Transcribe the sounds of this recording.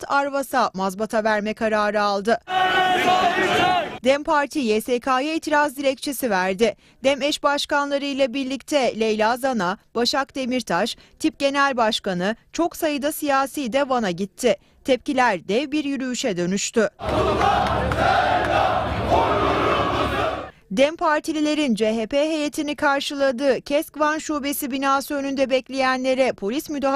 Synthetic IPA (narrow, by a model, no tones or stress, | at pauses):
t̪ʰaɾvasamazbat̪ʰavæɾmɛkʰaɾaːɾɯalˠd̪ɯ | d̪ɛmpʰaɾt̪ʰijɛsekʰaːjaiːt̪ʰiɾazd̪iɾɛc̚t͡ʃʰe̞sivæɾd̪ɪ | d̪̥ɛmɛʃbaʃkanlˠaɾɯjlˠabiɾlʲic̚t̪ʰɛlʲejlʲazanab̥aʃakd̪e̞miɾt̪ʰaʃ | t̪ʰip̚ɟ̥e̞nælʲbaʃkanɯt͡ʃʰo̞ksajɯd̪asijaːsijd̪ɛvanaɟit̪ʰːɪ | t̪ʰɛpcilʲæɾd̪ɛvbiɾjyɾyyʃɛd̪ø̞nyʃt̪ʰy | d̪ɛmpʰaɾt̪ʰilʲilʲe̞ɾind͡ʒeːɦepeɦe̞jet̪ʰinikʰaɾʃɯlˠad̪ɯːcʰɛskvanʃuːbe̞sibinaːsuønynd̪ɛbɛclʲe̞jænlʲe̞ɾɛpʰo̞lʲismyd̪aɦ